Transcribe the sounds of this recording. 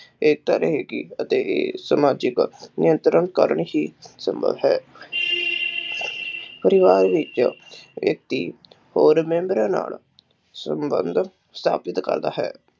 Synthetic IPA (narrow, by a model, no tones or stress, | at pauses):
eːk̚t̪əɾɦeːɡiət̪eːʔḛːsəmaːd͡ʒɪknɪjənt̪ɾənkəɾɳɦiːsəmbʱə̰ʋɦɛː | pəɾɪʋaːɾʋɪt͡ʃʋjək̚t̪iː | hoːɾmẽːmbɾãːna̰ːl | səmbə̰nd̪ | st̪ʰa̰ːpɪt̪kə̰ɾd̪a̰ːɦɛː